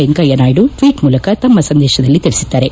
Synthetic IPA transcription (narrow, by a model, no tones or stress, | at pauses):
eŋkɐjɐnaːjiɽuʈʋiːʈmuːlɐkɐt̪ɐmːɐsɐnd̪ɛːʃɐd̪ɐlːit̪ilisid̪ːaːɾe̞